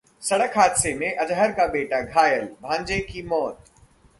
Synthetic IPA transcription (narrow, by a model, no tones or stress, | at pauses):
sɐɽəkʰaːd̪semẽʔɐd͡ʒɦəɾkabeːʈaɡʱaːjəlbʱãːɲd͡ʑekimɔːt̪